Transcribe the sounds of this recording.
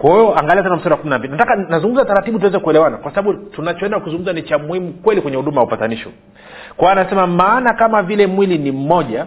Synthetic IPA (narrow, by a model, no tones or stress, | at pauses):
kwahɛjɔaŋɡalias̬ɛnam̩sadawakuminambilinatakanazuŋɡum̩zataɾatiɓut̬uwɛzɛkuɛlɛwanakwasaɓaɓutunat͡ʃɔɛndakuzuŋɡum̩zanit͡ʃamuhimukwɛlikwɛɲɛhuɗumajwaupataniʃɔ̰ | kwawanasɛmamaːnakamavilɛmwilinim̩mɔʄa